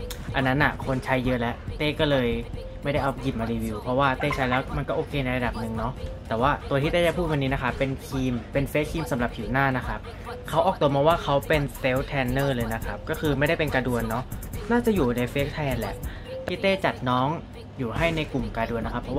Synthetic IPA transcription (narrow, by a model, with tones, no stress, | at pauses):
ʔa˧nːa˦˥nʔa̰˨˩kʰo˧nt͡ɕʰa˦˥jːɤ˦˥ʔlɛ˦˥ʔt̪eː˥˩kɔː˥˩lɤː˧j | ma˥˩jda˥˩jʔa˧ji˨˩p̚maː˧ɾiː˧wiː˧wpʰɔ˦˥waː˥˩t̪eː˥˩t͡ɕʰa˦˥jlɛː˦˥wma˧nkɔː˥˩ʔoː˧kʰeː˧na˧jɾa˧da˨˩p̚nɯ˨˩ŋnɔ˦˥t̪ɛː˨˩waː˥˩t̪u˧t̪ʰiː˥˩t̪eː˥˩a˥˩pʰuː˥˩wa˧nːiː˦˥na˦˥kʰa˦˥pːe˧nkʰiː˧mpe˧nfeː˦˥kʰiː˧msa˩˦mɾa˨˩p̚ʰiː˩˦naː˥˩na˦˥kʰa˦˥p̚ | kʰa˦˥wʔɔː˨˩k̚t̪u˧maː˧waː˥˩kʰa˦˥wpe˧nt̪e˦˥wt̪ʰɛː˧nːɤː˥˩lɤː˧jna˦˥kʰa˦˥p̚kɔː˥˩kʰɯː˧ma˥˩jda˥˩jpe˧nkaː˧du˧ənːɔ˦˥naː˥˩t͡ɕa˨˩juː˨˩na˧jfeː˦˥k̚t̪ʰɛː˧nlɛ̰˨˩ʔ | t̪ːt̪eː˥˩t͡ɕa˨˩t̪̚nɔː˦˥ŋ | juː˨˩ɦa˥˩jna˧jku˨˩mkaː˧du˧ənːa˦˥kʰa˦˥pʰɾɔ˦waː˥˩